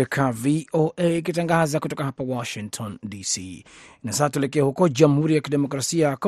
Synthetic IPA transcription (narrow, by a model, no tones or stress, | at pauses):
ɛkʰavioʔeːk̬itaŋɡazakutɔkaɦapawɔʃiŋktʰɔndisinasasatuɛlɛk̬ɛahukɔʄam̩huɾijakiɗɛmɔkɾasiak